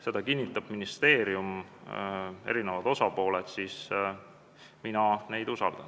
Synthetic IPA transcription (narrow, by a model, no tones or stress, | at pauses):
se̞d̪ɑkinʲːit̪ːˑɑb̥minist̪e̞ːɾium | e̞̰ɾinevɑd̪o̞sɑpo̞ːled̪siːs | minɑne̞jd̪usɑ̰ld̪̥ɑ̰n